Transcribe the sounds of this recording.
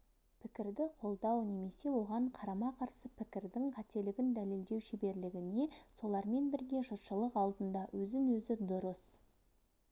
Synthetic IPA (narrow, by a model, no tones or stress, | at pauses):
pʰɪkʲɪɾd̪ɪqʰo̞lˠd̪ɑwne̞me̞se̞wo̞ʁɑɴqʰɑɾɑmɑqʰɑɾsəpʰɪkʲɪɾd̪ɪŋqʰɑt̪e̞lɪɡʲɪnd̪æle̞ld̪e̞wʃibe̞ɾlɪɡʲɪne̞so̞lˠɑɾme̞nbɪɾɡʲe̞ʒʊt̪ʃəlˠəqɑlˠd̪ənd̪ɑwʔɵzɪŋwɵzɪd̪ʊɾəs